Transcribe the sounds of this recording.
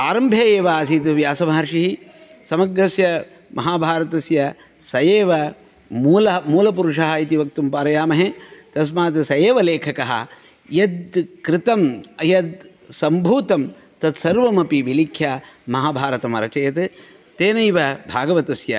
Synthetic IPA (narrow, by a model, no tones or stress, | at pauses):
aːɾɐmbʱjeeːʋaːsit̪uʋjaːsɐmaːɾʂiɦi | sɐmɐɡɾɐsjɐ | mʔɐɦaːbʱaːɾɐt̪ɐsjɐ | sɐjeːʋɐ | muːlɐmuːlɐpuɾuʂɐɦɐit̪iʋɐk̚t̪umpaːɾɐjaːmɐɦet̪ɐs̬maːt̪ɨsɐjeːʋɐleːkʰɐkɐɦɐ̰ | jɐd̪̚kɾɪt̪ɐmɐjɐd̪ | sɐmbʱuːt̪ɐm | t̪ɐt̪sɐɾʋɐmɐpiʋilikʰjaːmɐɦaːbʱaːɾɐt̪ɐmɐɾɐt͡ʃɐjɐt̪ɨ | t̪eːnɐjʋɐbʱaːɡɐʋɐt̪ɐsjɐ̰